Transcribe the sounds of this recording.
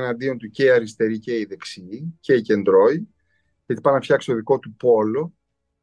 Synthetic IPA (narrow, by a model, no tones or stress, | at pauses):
nɐnd̪io̞nt̪uce̞iɐɾist̪e̞ɾice̞iðe̞ksiːce̞ice̞nd̪ɾo̞i | ʝet̪ipɐnɐfçɐkst̪oðiko̞t̪upo̞lo̞